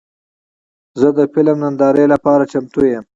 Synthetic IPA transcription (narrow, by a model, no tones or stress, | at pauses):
zəd̪əfɪlamnand̪ɑɾejlapɑɾat͡ʃamt̪ujəm